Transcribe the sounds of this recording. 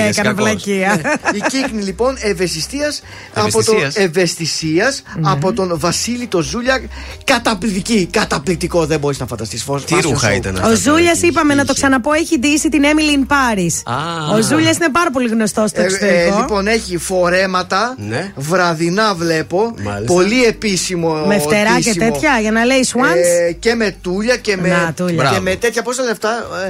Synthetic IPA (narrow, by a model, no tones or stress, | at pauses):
ɐikɐɐflɐciɐiciknilipo̞ne̞ve̞st̪ist̪iɐs | ɐpot̪oeve̞st̪isiɐsɐpo̞t̪o̞nvɐsilit̪o̞zuʎɐkɐt̪ɐplit̪icikɐt̪ɐplit̪iko̞ðembo̞ɾiznɐfɐnd̪ɐst̪isfosɾuxɐ̰ḭt̪ɐ̰nozuʎɐsipɐme̞nɐt̪o̞ksɐnɐpo̞eçid̪isit̪inemilinpɐɾisɐo̞zuʎɐsinep̬ɐɾɐp̬o̞liɣno̞st̪o̞st̪oeseolipo̞ne̞çifo̞ɾe̞mɐt̪ɐnvɾɐðinɐvle̞po̞po̞lie̞pisimomeft̪e̞ɾɐscet̪e̞t̪çɐʝɐnɐle̞iswɐnsce̞me̞t̪uʎɐcemeat̪uʎɐemet̪et̪çɐpost̪ɐle̞ft̪ɐ